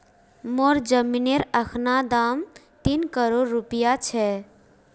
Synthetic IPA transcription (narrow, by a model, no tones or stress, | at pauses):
moɾd͡ʒəmineɾəkʰnad̪am | t̪inkəɾoɾːupijat͡ʃʰɛ